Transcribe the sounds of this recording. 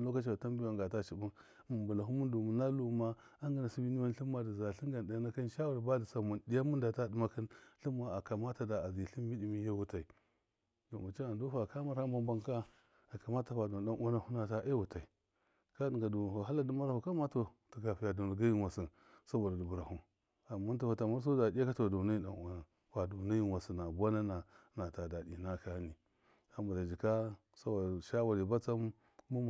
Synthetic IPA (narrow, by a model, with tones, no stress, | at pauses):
lo˦ka˦t͡ʃi˨a˨ta˦mbi˦a˨ŋ˨ɡa˨ta˦t͡ʃi˨bu˦n˨ | mu˨ba˨la˨ɦu˦mu˦n˦du˨mu˨na˦lu˦ma˦ | a˦ŋɡa˦na˨si˦bi˦ni˦wa˦n˦ɬi˦mːa˦də˨za˨ɬi˦ɡa˨n˨a˨˦na˦ki˦nʃa˦wu˨ɾba˦di˨sa˨mu˨ndi˦ja˦mu˦n˦da˨ta˦di˦ma˦kə˦nɬi˦mːa˦a˨ka˨ma˦ta˨da˨a˨zi˨ɬi˦mmi˦di˨mi˦ja˦wu˦ta˨i˨ | do˨ma˨t͡ʃi˦a˨ndu˦fa˨ka˦ma˦ɾha˦ba˦mba˦ŋka˦ | a˨ka˨ma˦ta˨fa˨du˨da˦nʔo˦na˦hu˦na˦ta˦ʔe˦wu˨ta˨i˨ | ka˦di˨ŋɡa˨du˨a˨ɦa˦la˦du˦ma˦ɾa˦hu˨ka˦ma˦to˨ti˨ɡa˨fi˨ja˨du˨n˨ɡa˦ji˦nwa˨si˨ | sa˦bo˨da˨du˨bu˨ɾa˨hu˨ | a˨mːa˦ntu˦ha˨ta˨ma˦ɾs̬o˦da˨dʲa˦ka˦to˨du˨na˦ji˦da̰˨no˨na˨ | wa˨du˨na˦ji˦wa˨si˨na˨ba˦na˦na˨na˨ta˨da˨di˨na˦ka˦ni˨ | a˨mba˨da˨d͡ʒi˨ka˦ | sa˦bo˨da˨ʃa˦wa˨ɾi˨ba˦t͡sa˦m˦ | u˦m˨